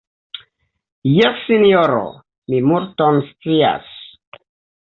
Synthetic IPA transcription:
jɛsːinioɾo̰ | mimuɾtonst͡sia̰s

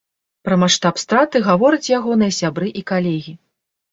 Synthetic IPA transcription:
pɾɐmaʂt̪apst̪ɾat̪ɨɣavɔɾɐt͡sʲjaɣɔnɨɐsʲabɾɨʔikalʲɛɣʲi

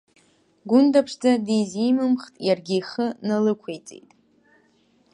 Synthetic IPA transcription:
ɡʷʊndapʰʂd͡zadijzimɨmχtʼjarɡʲiːχənalɨkʷʰejt͡sʼḛjtʼ

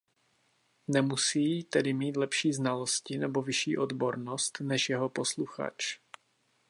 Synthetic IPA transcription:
nɛmusiːt̪ɛdɪmiːt̪lɛpʃiːznalo̞scɪnɛbo̞vɪʃḭːʔo̞d̪bo̞ɾno̞st̪nɛʃjɛɦo̞po̞sluxa̰t͡ʃ

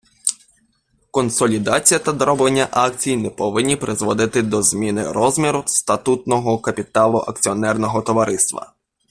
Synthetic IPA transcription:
kɔnsɔlʲid̪ɑt͡sʲijɐt̪ɐd̪ɾɔblˠenʲːɐʔɑk̚t͡sʲijnɛpɔʋɪnʲːipɾʔɪzʋɔd̪ɪt̪ɪd̪ɔzmʲinɪɾɔzmʲiɾʊst̪ɐt̪ut̪nɔɦɔkɐpʲit̪ɑlˠʊʔɐk̚t͡sʲiɔnɛrnɔɦɔt̪ɔʋɐɾɪst̪ʋɐ̰

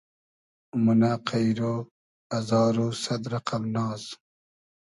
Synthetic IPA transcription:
munaqʰajɾoː | azɑːɾosad̪ɾaqamnɑːz

